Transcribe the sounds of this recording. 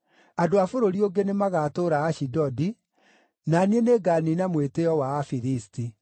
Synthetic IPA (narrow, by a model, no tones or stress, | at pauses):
adoafoɾoɾioŋɡenemaɣatoːɾaːʃidɔdi | nanieneɡaninamweteɔwaːfiɾisti